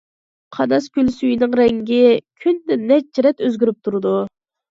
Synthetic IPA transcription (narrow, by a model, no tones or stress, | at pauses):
qʰɑnɑskʲylsyjinɪŋɾɛŋɡʲɪkʲʰynd̪ɛnɛt͡ʃ̚t͡ʃʰiɾɛt̪øzɡʲyɾyp̚t̪ʰuɾɨd̪u